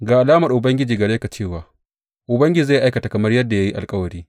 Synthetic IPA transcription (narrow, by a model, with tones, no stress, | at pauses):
ɡaː˨ʔa˨laː˦mɐ˨rʔʊ˨bɐ˦ŋɡʲɪ˦d͡ʒiː˨ɡɐ˨ɽeː˦ka˨t͡ʃeː˦˨waː˨ | ʔʊ˨bɐ˦ŋɡʲɪ˦d͡ʒiː˨a˦˨ʔa˦jkɐ˨ta˨kɐ˨mɐ˦rjɐ˦dːa˨ja˦ji˦ʔa̰˨lkʼɐ˦wɐ˨ɽiː˦